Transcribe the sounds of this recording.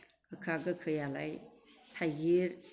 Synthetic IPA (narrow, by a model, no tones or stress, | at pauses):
kɯkʰaɡɯkʰɯjala̰jtʰaɡiɾ